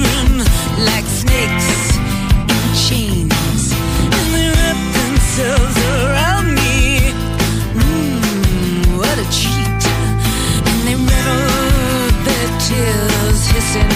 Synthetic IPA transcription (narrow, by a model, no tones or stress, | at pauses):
m | laɪksnɪks | ɨ̃nt͡ʃʰẽɪ̃n | z̥ | ɨ̃nðɨɹʌpɨ̃msɛlˠvzə˞ãʊ̃nmi | wʌɾɨt͡ʃʰit | ɨ̃nðeɪmɛ | ðɨ | tʰɪ | lˠz̥hɪsɨn